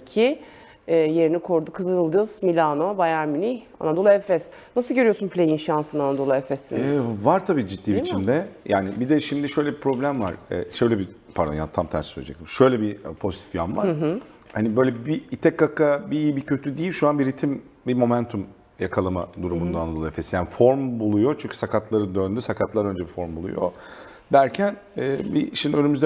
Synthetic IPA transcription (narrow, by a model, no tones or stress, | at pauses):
cʰi | ɛːje̞ɾinikʰoɾd̪ukʰɯzɯɯlˠd̪ɯz̥milʲanobajaɾmynia̰nad̪o̞lˠɛfɛs | nasɯlˠɟøɾijo̞sunpʰlʲejinʃansɯnanad̪o̞lˠɛfɛsḭnvaɾt̪ʰabiːd͡ʒit̪̚ːiːbit͡ʃʰimd̪ɛjaːnibid̪ɛʃimd̪iʃø̞jlʲɛbipʰɾo̞blʲæmvaɾ̥ɛ̰ːʃø̞jlʲɛbi | pʰaɾja̰nt̪ʰamt̪ʰæ̰ɾsø̰lʲed͡ʒɛc̚t̪imʃø̞jlʲɛbipʰo̞zit̪ʰi̥fjamva̰ɾhanibø̞jlʲɛbiːt̪ʰɛkːakabiiibicʰø̞t̪ʰyd̪ijilʲʃuanbiɾit̪ʰim | bimo̞mænt̪ʰum | jakʰalˠama̰d̪uɾumund̪anad̪olˠaefesi̥jaːnifo̞ɾmbulˠujo̞t͡ʃʰyɲcʰy̥sakʰat̪ʰlˠaɾɯd̪ønd̪ysakʰat̪lˠaɾø̞nd͡ʒɛbifo̞ɾmbulˠṵjo̰ | d̪æɾcʰæn | ɛːbiʃimd̪iønymyzd̪ɛ